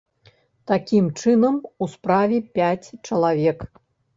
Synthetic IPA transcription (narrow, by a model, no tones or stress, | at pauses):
t̪akʲimt͡ʂɨnɐmuspɾavʲɛpʲat͡sʲt͡ʂɐlˠavʲɛk